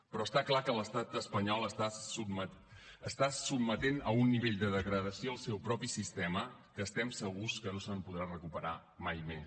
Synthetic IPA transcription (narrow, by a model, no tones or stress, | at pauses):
pɾɔəst̪aklakələst̪at̪əspəɲɔlˠəsa | əst̪asub̚mət̪enəunːiβ̞eʎd̪əðəɣɾəðəsioəlˠsɛwpɾɔpisist̪ɛməkəːst̪ɛmsəɣuskənosəmpuð̞ɾarəkupəɾa | majmes